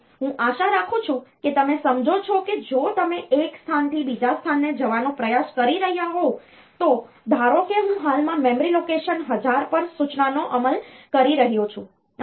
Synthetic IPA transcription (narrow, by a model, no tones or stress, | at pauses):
ɦũʔaʃaɾakʰũt͡ʃʰũket̪əmesəmd͡ʒot͡ʃʰɔked͡ʒot̪əmeʔekst̪ʰant̪ʰibid͡ʒast̪ʰanːed͡ʒəʋanopɾəjaskəɾiɾəɦijaɦo | t̪o | d̪ʱaɾokeɦũɦalmãmemɾilokeʃənɦəd͡ʒaɾpəɾsut͡ʃnanoʔəməlkəɾiɾəɦjot͡ʃʰũ